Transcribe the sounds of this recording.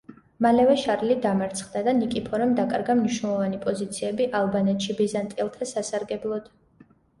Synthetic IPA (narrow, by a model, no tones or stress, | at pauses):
malɛvɛʃaɾlid̪amaɾt̪sʰχd̪ad̪anikʼipʰɔɾɛmd̪akʼaɾɡamniʃnɛlˠɔvanipʼɔzit̪sʰiɛbiʔalˠbanɛt̪ʃibizant̪ʼilˠt̪ʰasasaɾɡɛblˠɔd̪̥